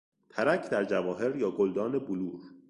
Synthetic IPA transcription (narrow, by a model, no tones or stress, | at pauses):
t̪ʰæɾæcʰd̪æɾd͡ʒævɒːɦe̞ɾjɒːɡold̪ɒːne̞boluːɾ